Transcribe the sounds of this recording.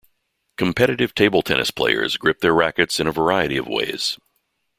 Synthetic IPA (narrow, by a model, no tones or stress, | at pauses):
kʰm̩pʰɛɾɨɾɨv̥tʰeɪbl̩ˠtʰɛ̰nɨ̰spʰl̥ḛɪə̰˞zɡɹɪp̚ðə˞ɹækɨtsɨ̃ñəvə˞aɪɨɾiʌ̰vwḛɪz̥